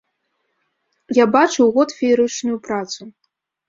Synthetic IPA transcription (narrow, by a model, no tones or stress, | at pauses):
jabat͡ʂɨwɣɔt̪fʲiɾɨt͡ʂnujupɾat̪su